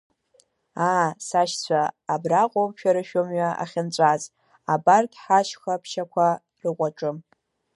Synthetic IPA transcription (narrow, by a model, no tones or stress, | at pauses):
aːsaʃt͡sʷʰaːbraqʷʼomʃᶣaɾɨʃᶣomɥaa̰χʲɪnt͡ɕʷʼaz | abarkʲħaʃxapʰʃakʷʰa | rɨqʷʼaʈ͡ʂʼɨm